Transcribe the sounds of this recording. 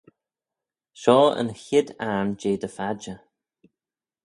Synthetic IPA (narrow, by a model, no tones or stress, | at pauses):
ʃɔːə̰nçɪd̪aɹnd͡ʒeːd̪əfad͡ʒə